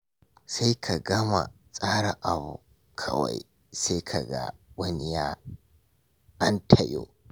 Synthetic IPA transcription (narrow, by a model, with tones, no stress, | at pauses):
sa˦jkʰa˨ɡɐ˦ma̰˨ | sʼaː˦ɽa˨ʔa˨bu˨ | kʰɐ˦wa̰˨j | sa˦kʰa˨ɡa̰˦wɐ˦ni˨jaː˦ | ʔa˦ntʰɐ˨jo̰ː˦